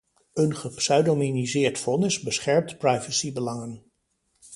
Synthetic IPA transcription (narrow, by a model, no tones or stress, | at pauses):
ɵnχəpsœɥdominizɪːɹtfɔnɪzbəsχɛɹmtprɑjvəsibəlɑŋən